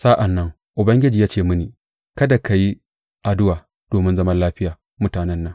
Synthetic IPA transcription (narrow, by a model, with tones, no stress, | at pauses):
saː˦ʔa˨nːɐ˦ŋ | ʔʊ˨bɐ˦ŋɡʲɪ˦d͡ʒiː˨jaː˦t͡ʃeː˦˨mʊ˦niː˨ | kɐ˦da˨kʰa˨ji˦ | ʔa˨dʊ˦waː˨ | d̥oː˨mɪ˦nzɐ˦mɐ˦nlaː˦ɸɪ˦jaː˨ | mʊ˦taː˨nɛ˦nːɐ˦ŋ